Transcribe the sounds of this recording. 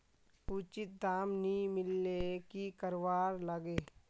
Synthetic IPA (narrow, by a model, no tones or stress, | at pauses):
uːt͡ʃɪt̪̚d̪aːmnimɪlːekikəɾʋaːɾləɡeː